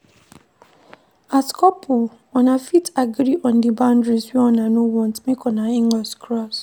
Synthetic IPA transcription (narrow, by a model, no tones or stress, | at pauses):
askɔpʰʊ | ɔnafitaɡɾiʔɔ̃ndibãndɾiswɛɔnanowɔ̃ntmekɔnaĩŋaskɾɔs